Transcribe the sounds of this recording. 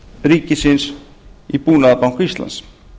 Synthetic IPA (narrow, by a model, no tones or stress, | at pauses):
ɾiːkisins | ipuːnaðpawkist̪la̰ns